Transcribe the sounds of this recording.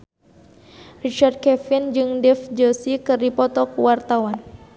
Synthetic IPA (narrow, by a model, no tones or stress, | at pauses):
rit͡ʃard̪̚kɛfind͡ʒɨŋdɛfd͡ʒosikɨrdipɔt̪ɔkuwart̪awan